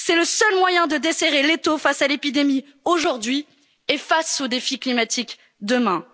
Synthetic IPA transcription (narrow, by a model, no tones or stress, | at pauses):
sɛləsœlmwajɛ̃d̪əd̪eseʁelet̪ofasalepid̪emi | oʒuʁd̪ɥi | efasod̪efiklimat̪ik | d̪əmɛ̃